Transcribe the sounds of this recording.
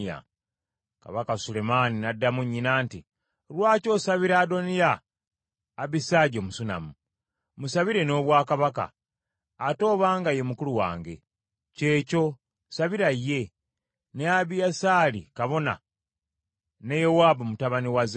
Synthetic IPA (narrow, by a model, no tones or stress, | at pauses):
a̰ | ka̰βakasule̞maninadːamuɲːinaːnti | lwaːco̞saβiɾado̞nijaː | βisaɟomusuna̰mu | musaβiɾe̞no̞ːβwaːkaβaka̰ː | to̞ːβaːŋɡaje̞mukuluwa̰ːŋɡe̞̰ | ce̞ːco̞ | saβiɾajːe̞ | neaβijasaːlikaβo̞na̰ | ne̞jowaːbomutaβaniwaz